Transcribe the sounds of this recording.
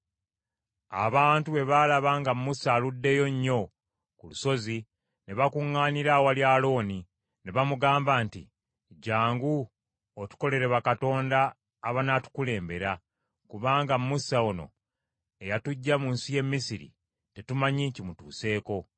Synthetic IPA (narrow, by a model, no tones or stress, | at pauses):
a̰βaːntuβe̞βalaβaŋɡammusaːludːe̞jo̞ɲːo̞ | kuluso̞zi | ne̞βakuŋːaːniɾawaljalo̞ːni | neβamuɡaːmbaːntḭ | ɟaːŋɡu | otu̥ko̞le̞ɾeβakato̞ːndaː | βanatu̥kule̞ːmbe̞ɾa | kuβaːŋɡammusaono̞̰ | e̞jatuɟːamunsije̞mːisiɾḭ | tetumaɲicimutuːse̞ːko̞